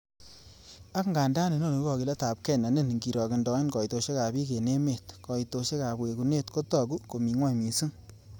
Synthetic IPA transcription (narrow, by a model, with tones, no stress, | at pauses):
a˦kŋɡa˨nda˦ne˨no˦˨ne˨kɔ˨ki˨le˦ta˨p̚kɛ˦˨na˨ne˦˨n˨ŋɡi˨ɾɔ˨ki˨ndɔ˨i˦nkɔ˨i˨to˨ʃe˦ka˨bi˦ke˨ne˦me˨tkɔ˨i˨to˨ʃe˦ka˨pwe˨ku˨ne˦˨tko˦tɔ˨ku˦ko˨mi˨ŋwa˦˨jmi˨su˦ŋ